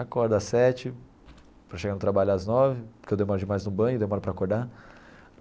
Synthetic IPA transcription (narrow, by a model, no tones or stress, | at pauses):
akɔɾd̪asɛt͡ʃɪ | pɾɐʃeɡaɾnʊt̪ɾabaʎʊaznɔvɪpɾkewd̪emɔɾʊd͡ʒɪmajznʊbɐ̃j̃ʊd̪emɔɾʊpɾɐakoɾd̪a